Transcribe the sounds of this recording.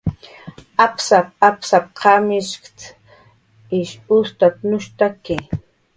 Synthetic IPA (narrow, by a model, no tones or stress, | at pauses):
apsap̚apsap̚qʰamɪʃkt̪ | ɪʃust̪at̪nʊʃt̪aki